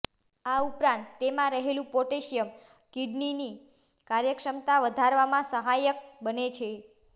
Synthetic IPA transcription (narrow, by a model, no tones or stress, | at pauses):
aupɾãnt̪t̪ːemãɾəɦelũpoʈeʃijəm | kiɖnini | kaɾjəkʃəmt̪aʋəd̪ʱaɾʋamãsəɦajək̚bənet͡ʃʰe